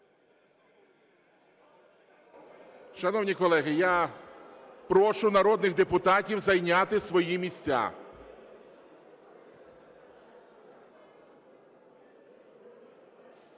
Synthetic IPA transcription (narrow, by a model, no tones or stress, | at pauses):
ʃɐnɔwnʲikɔlˠɛɦɪja | pɾɔʃʊnɐɾɔd̪nɪɣd̪epʊt̪ɑtʲiwzɐjnʲat̪ɪsʋɔjimʲisʲt͡sʲːa̰